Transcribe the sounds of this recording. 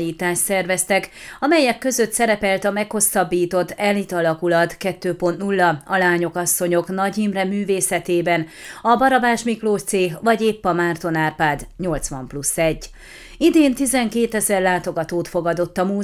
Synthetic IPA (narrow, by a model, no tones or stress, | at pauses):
iːt̪aːʃt̪sɛrvɛst̪ɛkɒmɛjɛkːø̞zø̞t̪sɛɾɛpɛlt̪ɒmɛkho̞sːɒbːiːt̪o̞t̪ːɛlːit̪ɒlɒkulɒt̪kɛt̪ːøːpo̞nt̪nulːɒɒlaːɲo̞kɒsːo̞ɲo̞knɒɟimrɛmyːveːsɛt̪eːbɛnɒbɒɾɒbaːʃmikloːʃt̪seːɦvɒɟeːpːɒmaːrt̪o̞naːrpaːd̪ɲo̞lt̪sʋɒ̰mplusːɛɟː | id̪eːnt̪izɛŋkeːt̪ɛzɛrlaːt̪o̞ɡɒt̪oːt̪fo̞ɡɒd̪o̞t̪ːɒmuː